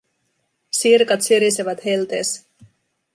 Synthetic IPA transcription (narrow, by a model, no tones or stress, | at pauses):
sirkɑt̪syɾiseʋæt̪helt̪ḛs